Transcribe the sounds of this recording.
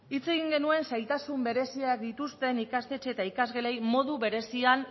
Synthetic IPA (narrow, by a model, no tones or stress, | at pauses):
it͡se̞ɣiŋɡe̞nue̞nsajt̪asumbe̞ɾe̞siakd̪it̪ust̪e̞nikast̪et͡ʃet̪aikazɣeɾejmo̞ðuβe̞ɾe̞sian